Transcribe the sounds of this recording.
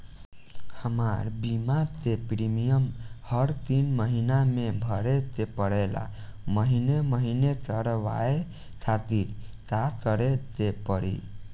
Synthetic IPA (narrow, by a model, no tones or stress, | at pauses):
həmaɾbimat̪epɾimijəmhəɾt̪inməɦinamebʱəɾet̪epəɽela̰məɦineməɦinekəɾʋa̰e | kʰat̪iɾkakəɾet̪epəɾḭ